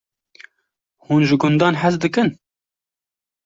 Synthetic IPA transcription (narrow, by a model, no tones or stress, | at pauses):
huːnʒɨɡʊnd̪ɑːnħɛzd̪ɨkɨn